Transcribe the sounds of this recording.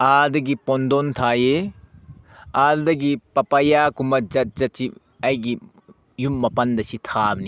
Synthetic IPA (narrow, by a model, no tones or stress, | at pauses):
aldɐɡipondontʰaje | aldɐɡipɐpɐjakumɐd͡ʒɐt̚d͡ʒɐt͡ʃi | ɐjɡi | jumːɐpɐndɐsitʰabni